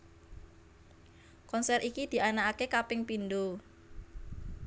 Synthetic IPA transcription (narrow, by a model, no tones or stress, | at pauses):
kɔnsɛrʔikid̪̥i̤ʔanaakekapɪŋpind̪o